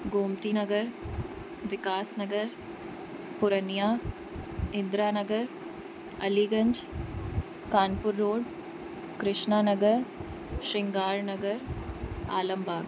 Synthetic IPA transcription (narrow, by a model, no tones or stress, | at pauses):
ɡoːmt̪inɐɡəɾ | ʋɪkaːsnɐɡəɾ | pʊɾənijaː | ɪ̃nd̪ɾaːnɐɡəɾ | ɐliːɡɐ̃ɲd͡ʒ | kaːnpʊɾːoːɽ | kɾɪʃnaːnɐɡəɾ | ʃɪ̃ŋɡaːɾnɐɡəɾ | a̰ːlə̃mbʱaːɡ